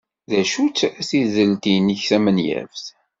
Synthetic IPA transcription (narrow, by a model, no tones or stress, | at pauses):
ðæʃut͡sːæsizəlt̪iniçθæmənjæ̰vθ